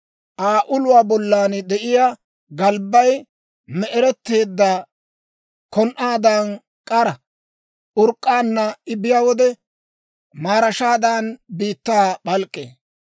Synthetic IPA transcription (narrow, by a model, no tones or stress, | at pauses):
ʔaːʔʊlʊwaːbɔlːaːnd̪ɛʔɪjaː | ɡɐlbːɐj | mɛʔɛɾɛt̪ːe̞ːd̪ːɐ | kɔnʔaːd̪an | kʼɐɾɐ | ʔʊɾkʼːaːnːɐɪbɪjaːwɔd̪ɛ | maːɾɐʃaːd̪aːnbiːt̪ːaːɓɐlkʼːḛː